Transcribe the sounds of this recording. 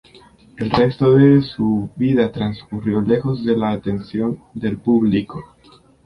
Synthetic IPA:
e̞lre̞st̪o̞ðe̞suβiðat̪ɾanskurjo̞le̞xo̞zðe̞laːt̪e̞nsjo̞nd̪e̞lpuβliko̞

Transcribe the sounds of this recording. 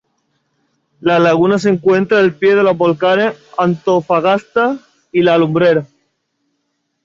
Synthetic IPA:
lalaɣunase̞ŋkwe̞nt̪ɾaelpjeð̞e̞loɦbo̞lkaneant̪ofaɣast̪a | ilaːlumbɾeɾa

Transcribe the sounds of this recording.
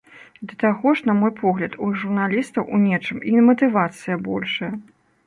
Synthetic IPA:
d̪ɐt̪aɣɔʂnɐmɔjpʰɔɣlʲɐt̪uʐurnalʲist̪ɐwʔunʲɛt͡ʂɨmimɐt̪ɨvat̪sɨjɐbɔlʲʂɐjɐ

